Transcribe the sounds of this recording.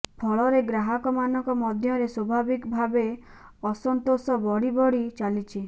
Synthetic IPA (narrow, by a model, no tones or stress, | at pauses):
pʰɔɭɔɾeɡɾaɦakɔmanɔŋkɔmɔd̪ʱjɔɾeswɔbʱabikbʱabe | ɔsɔnt̪osɔbɔɽibɔɽit͡ʃalit͡ʃʰi